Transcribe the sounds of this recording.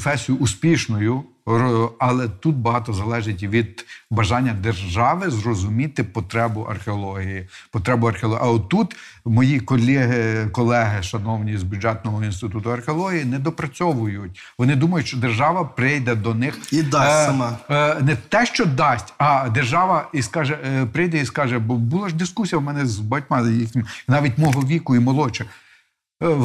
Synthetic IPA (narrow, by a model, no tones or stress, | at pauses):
fɛsʲijʊːspʲiʃnɔjʊ | ɐlˠɛt̪ut̪̚bɐɦɑt̪ɔzɐlˠɛʒɪtʲʋʲid̪bɐʒɑnʲːɐd̪erʒɑʋɪzrɔzʊmʲit̪ɪpɔt̪ɾɛbʊʔɐ̰rxeɔlˠɔɦʲijipɔt̪ɾɛbʊɐrxeɔlˠɔʔɐɔt̪ːut̪ | mɔjikɔlʲiɦɪkɔlˠɛɦɪʃɐnɔwnʲizbʲud͡ʒɛt̪̚nɔɦɔinst̪ɪt̪ut̪ʊɐrxeɔlˠɔɦʲijinɛd̪ɔpɾɐt͡sʲɔʋʊjʊtʲ | ʋɔnɪd̪umɐjʊtʲʃt͡ʃɔd̪erʒɑʋɐpɾɪjd̪ɛd̪ɔnɪxid̪amɑnɛt̪ɛʃt͡ʃɔd̪ɑsʲtʲɐd̪erʒɑʋɐiskɑʒɛpɾɪjd̪ɛiskɑʒɛbɔbulˠɐʒd̪ɪskusʲijɐwmɛnɛzbɐtʲmɑjixʲnʲɪmnɑʋʲitʲmɔɦɔʋʲikʊimɔlˠɔt͡ʃɛ